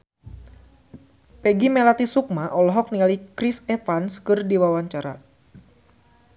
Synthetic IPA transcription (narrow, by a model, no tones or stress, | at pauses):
pɛɡimɛlat̪isuk̚maʔɔlɔɦɔk̚nialikɾisɛfanskɨrdiwawaɲt͡ʃaɾa